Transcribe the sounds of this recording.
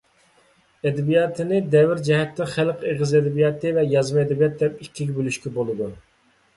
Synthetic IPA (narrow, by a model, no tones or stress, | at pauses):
ɛd̪ɛbijɑt̪ʰɨnɪd̪ɛvɪɾd͡ʒɛɦɛt̪ːɪχælqeʁɨzɛd̪ɛbijɑt̪ɨvɛjɑzmɨɛd̪ɛbijɑt̪̚d̪ɛp̚ikʲːiɡʲɛbølyʃkʲɛbolˠɨd̪u